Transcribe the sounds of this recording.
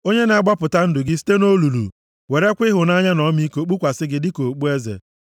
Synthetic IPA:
o˦ɲe˦na˨a˦ɡ͡ba˦pʊ˨ta˦n̩˦dʊ˨ɡɪ˦si̥˦te˦no˦lu˨lṵ˨ | we˨ɾe˦kʷɪ˦ɦʊ˨na˦ɲa˦nɔ˦mi˦ko˨k͡pu˦kʷa˨sɪ˦ɡɪ˦dɪ˦ko˨k͡pu˦e˦zḛ˨

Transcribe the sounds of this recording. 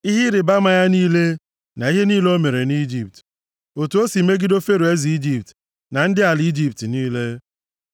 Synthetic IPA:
i˦ɦɪ˦ɾɪ˨ba˦ma˨ja˦niː˦le˦ | na˨i˦ɦe˦niː˦le˦o˦me˨ɾe˨ni˦d͡ʒi˨p̚t | o˨tu˨˦o˦si˨˦me˦ɡi˦do˦fe˦ɾu˨e˦zi˨i˦d͡ʒi˨p̚t | na˨n̩˦dɪ˦a˨li˦d͡ʒi˦p̚tniː˦le˦

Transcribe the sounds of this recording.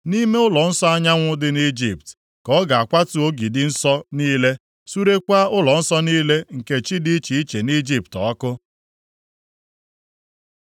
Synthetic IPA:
ni˦me˦ʊ˦lɔ˨n̩˦sɔ˦a˦ɲa˦ŋʷʊ˦dɪ˦ni˦d͡ʒi˨pt | kɔ˦ɡa˨a˨kʷa˦tu˨˦o˦ɡi˨dɪ˨n̩˦sɔ˦niː˦le˦ | su˦ɾe˦kʷa˦ʊ˦lɔ˨n̩˦sɔ˦niː˦le˦ŋ̩˨ke˨t͡ʃi˦di˦i˦t͡ʃi˨i˦t͡ʃe˨ni˦d͡ʒi˦p̚tɔ̰˨˦kʊ˦

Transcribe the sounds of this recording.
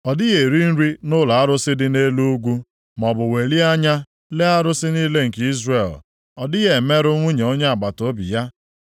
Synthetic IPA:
ɔ˨dɪ˦ɣe˨ɾi˦n̩˦ɾi˦nʊ˦la˨a˦ɾʊ˦sɪ˦dɪ˦ne˦lu˦u˦ɡʷu˦ | mɔ˨bʊ˨we˨li˦a˦ɲa˦ | le˦a˦ɾʊ˦sɪ˦niː˦le˦ŋ̩˨ki˦zre˨l | ɔ˨dɪ˦ɣe˨me˦ɾʊ˦ŋʷu˦ɲe˨o˦ɲe˦a˨ɡ͡ba˨to˦bḭ˨ja˦

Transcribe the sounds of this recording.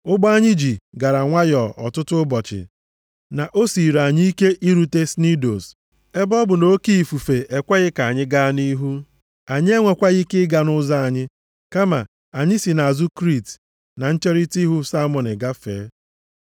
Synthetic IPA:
ʊ˦ɡ͡bɔ˦a˦ɲɪ˦d͡ʒi˨ɡa˨ɾa˨ŋʷa˦jɔ˨ʔɔ̰˨tʊ˦tʊ˦ʊ˦bɔ˨t͡ʃɪ̰˨ | na˨ʔo˦si˨ɾa˨ɲi˦i˦ke˦ʔi˦ɾu˨te˦sni˦do̰˨s | e˦bɔ˦bʊ˨no˦ki˦i˨fu˨fe˨ʔe˨kʷa˦ɣɪ˦ka˨ɲɪ˦ɡa˦ni˦ɦu˦ | a˨ɲɪ˦e˦ŋʷe˨kʷa˦ɣɪ˦kɪ˦ɡa˨nʊ˦za˦a˨ɲɪ˦ | ka˦ma̰˨ | a˨ɲɪ˦si˨na˨a˨zu˦kɾi˦˨t | na˨n̩˦t͡ʃe˦ɾi˦ti˦ɦu˦sa˦mɔ˨nɪ˨ɡa˦fḛː˨˦

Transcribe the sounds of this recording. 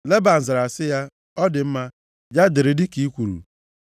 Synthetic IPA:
le˦ba˨n̩˨zɪ˨ɾa˨sɪ˦ja˦ | ɔ˦dɪ˨m̩˦ma˦ | d͡ʒa˦dɪ˨ɾɪ˨dɪ˦ki˦kʷu˨ɾṵ˨

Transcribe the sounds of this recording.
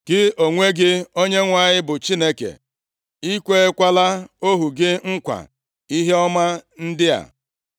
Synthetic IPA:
ɡ̥ɪ˦o˨ŋʷe˦ɡɪ˦o˦ɲe˦ŋʷa˨ɲɪ˦bʊ˨t͡ʃi˦ne˦kḛ˨ | i˦kʷe˦e˦kʷa˦la˦o˦ɦu˨ɡɪ˦ŋ̩˦kʷa̰˨ | i˦ɦe˦ɔ˦ma˦n̩˦dɪ˦a̰˨

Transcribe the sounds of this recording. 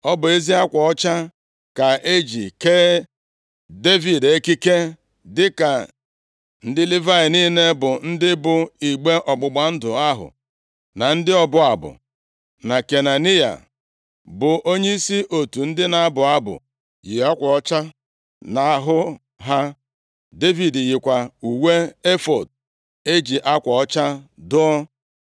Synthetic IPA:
ɔ˦bʊ˨e˦zi˦a˦kʷɔ˨ɔ˦t͡ʃa˦ | ka˨e˦d͡ʒḭ˨keː˦ | de˦vi˨de˦ki˦ke˦ | dɪ˦ka˨ | n̩˦dɪ˦li˦va˦ɪ˨niː˦ne˦bʊ˨n̩˦dɪ˦bʊ˨i˨ɡ͡be˦ʔɔ˨ɡ͡bʊ˨ɡ͡ba˨n̩˦dʊ˨a˦ɦʊ̰˨ | na˨n̩˦dɪ˦ɔ˦bʊ˦a˨bʊ̰˨ | na˨ke˨na˨ni˦ja̰˨ | bʊ˨ʔo˦ɲe˦i˦si˦ʔo˨tu˨n̩˦dɪ˦na˨a˦bʊ˨a˦bʊ̰˨ | jɪ˨a˦kʷɔ˨ɔ˦t͡ʃa˦ | na˨a˦˨ɦʊ˦ | ɦa˦ | de˦vi˨djɪ˨kʷa˨u˨we˦e˦fɔ˨d̚ | e˦d͡ʒi˨ʔa˦kʷɔ˨ɔ˦t͡ʃa˦dʊ˦ɔ˦

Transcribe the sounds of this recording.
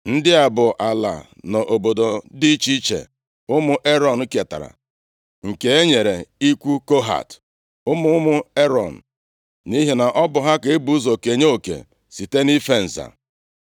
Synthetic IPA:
n̩˦dɪ˦a˨bʊ˨ʔa˨la̰˨ | nɔ˨ʔo˨bo˨do˨di˦t͡ʃi˦t͡ʃḛ˨ | ʊ˦mʊ˦ʔe˦ɾɔ˨n̩˨˦ke˨ta̰˨ɾa̰˨ | ŋ̩˨ke˨e˦ɲe˨ɾe˨i˦kʷu˦ko˦ɦa̰˨t | ʊ˦mʊ˦mʊ˦e˦ɾɔ̰˨n̩˨ | ni˦ɦe˨na˨ʔɔ˦bʊ˨ɦa˦ke˨e˦bu˨˦zo˨ke˨ɲe˦o˨kḛ˨ | si˨te˦ni˦fe˦n̩˨za̰˨

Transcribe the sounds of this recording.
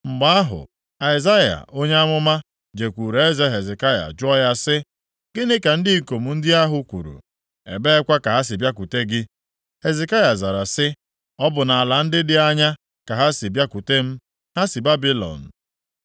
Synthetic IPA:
ŋ͡m̩˨ɡ͡ba˦a˦ɦʊ̰˨ | a˨ɪ˨za˦ja̰˨ʔo˦ɲe˦a˦mʊ˦ma˦ | d͡ʒe˨kʷu˨ɾe˨e˦ze˦ɦe˨ze˨ka˦ja̰˨d͡ʒʊ˦ɔ˦ja˦sɪ˦ | ɡɪ˦nɪ˦ka˨n̩˦dɪ˦i˦ko˨mu˨n̩˦dɪ˦a˦ɦʊ˦kʷṵ˨ɾṵ˨ | ḛ˨be˦e˦kʷa˦ka˨ɦa˦s̬ɪ˨bja˦ku˨te˦ɡɪ˦ | he˨ze˨ka˦ja˨za˨ɾa˨sɪ˦ | ɔ˦bʊ˨na˨a˨la˨n̩˦dɪ˦dɪ˦a˦ɲa˦ | ka˨ɦa˦sɪ˨bja˦ku˨te˦m̩˦ | ha˦sɪ˨ba˦bi˦lɔ̰˨n̩˨

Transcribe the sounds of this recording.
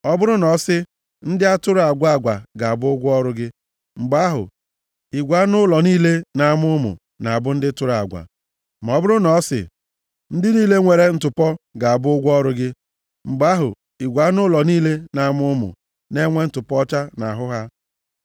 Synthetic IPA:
ɔ˦bʊ˦ɾʊ˦nɔ˨˦sɪ˦ | n̩˦dɪ˦a˦tʊ˦ɾʊ˨a˨ɡʷa˦a˨ɡʷa˨ɡa˨a˨bʊ˦ʊ˦ɡʷɔ˦ɾʊ˦ɡɪ˦ | ŋ͡m̩˨ɡ͡ba˦ɦʊ̰˨ | i˨ɡʷa˨˦nʊ˦lɔ˨niː˦le˦na˨˦˨mʊ˦mʊ̰˨ | na˨a˨bʊ˦n̩˦dɪ˦tʊ˦ɾa̰˨ɡʷa̰˨ | ma˨ɔ˦bʊ˦ɾʊ˦nɔ˨˦sɪ̰˨ | n̩˦dɪ˦niː˦le˦ŋʷe˨ɾe˦n̩˦tʊ˨pɔ˦ɡa˨a˨bʊ˦ʊ˦ɡʷɔ˦ɾʊ˦ɡɪ˦ | ŋ͡m̩˨ɡ͡ba˦ɦʊ̰˨ | i˨ɡʷa˨˦nʊ˦lɔ˨niː˦le˦na˨˦mʊ˦ʊ˦mʊ̰˨ | ne˦ŋʷe˦n̩˦tʊ˨pɔ˦t͡ʃa˦na̰˨ɦʊ˦ɦa˦

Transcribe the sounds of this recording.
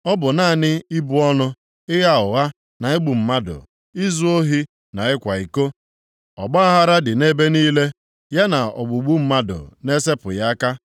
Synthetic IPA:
ɔ˦bʊ˨naː˦˨nɪ˦i˦bu˨ɔ˦nʊ˦ | ɪ˦ɣa˦ʊ˨ɣa˦ | na˨e˦ɡ͡bu˨m̩˨ma˦dʊ̰˨ | ɪ˦zu˦o˦ɦi˦ | na˨ɪ˦kʷa˨i˨ko˦ | ɔ̰˨ɡ͡ba˦a˦ɦa˦ɾa˦dɪ˨ne˦be˦niː˦le˦ | ja˦na˨ɔ̰˨ɡ͡bu˨ɡ͡bu˦m̩˦ma˦dʊ̰˨ne˦se˦pʊ̰˨ja˦ka˦

